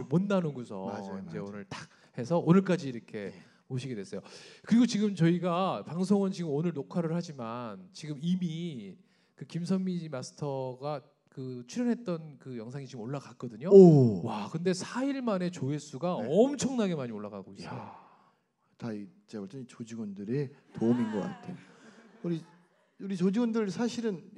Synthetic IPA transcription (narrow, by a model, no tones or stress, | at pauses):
monːanɯnɡusʰʌ̰id͡ʑe̞onɯɭtḁk̚ | he̞sʰʌʔonɯɭk͈ad͡ʑiːɾʌkʰe̞ | oɕʰiɡe̞dwe̞s͈ʌjokɯɾiɡot͡ɕiɡɯmt͡ɕʌiɡapaŋsʰoŋɯnt͡ɕiɡɯmonɯɭnokʰaɾɯɭhad͡ʑimant͡ɕiɡɯmimi | kɯkims̬ʰʌnmid͡ʑimasʰɯ̥tʰʌɡa | kɯt͡ɕʰuɾjʌnɦe̞t̚t͈ʌnkɯjʌŋsʰaŋit͡ɕiɡɯmoɭːakak̚k͈ʌdɯɲowakɯnde̞sʰaiɭmane̞t͡ɕoe̞s͈uɡaʌmt͡ɕʰʌŋnaɡe̞maɲioɭːaɡa̰ɡoi | tait͡ɕebʌɭt͡ɕ͈ʌnit͡ɕod͡ʑiɡʌndɯɾe̞toːminɡʌk͈a̰tʰe̞ouɾi | uɾit͡ɕod͡ʑiɡwʌndɯɭsʰaɕʰiɾɯn